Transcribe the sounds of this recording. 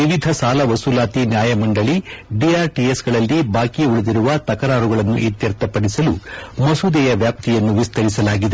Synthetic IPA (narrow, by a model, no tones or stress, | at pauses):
ʋiʋid̪ʱɐsaːlɐʋɐsulaːt̪injaːjɐmɐɳɖɐɭiɖiaːɾʈiesɡɐɭɐlːibaːkiuɭed̪iɾuʋɐt̪ɐkɐɾaːɾuɡɐɭɐnːuʔit̪jɐɾt̪ɐpɐɽisɐlṵmɐsud̪ɛjɐʋjaːp̚t̪ijɐnːuʋist̪ʰɐɾisɐlaːɡid̪e̞